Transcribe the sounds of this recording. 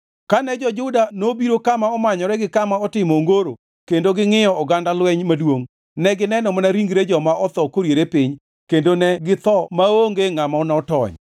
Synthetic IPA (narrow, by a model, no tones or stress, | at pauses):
kanɛd͡ʒɔd͡ʒʊdanobiɾokamaɔmaɲɔɾɛɡɪkamaɔtɪmɔŋɡoɾo̰ | kendoɡɪŋɪjɔɔɡandalwɛɲmadwoŋ | nɛɡɪnɛnɔmɔnaɾiŋɡɾed͡ʒɔmaʔɔt̪ɔkoɾjeɾepɪɲ | kendonɛɡɪt̪ɔmaoŋɡeŋamaɔnaɔtɔ̰ɲ